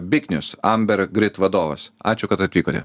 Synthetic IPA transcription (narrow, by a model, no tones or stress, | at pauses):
bʲɪkʲnʲʊsɐmʲbʲɛɾɡɾʲɪt̪ʋɐd̪oːʋɐsɑːt͡ʃʲʊkɐt̪ɐt̪ʲʋʲiːkoːt̪ʲɛ̰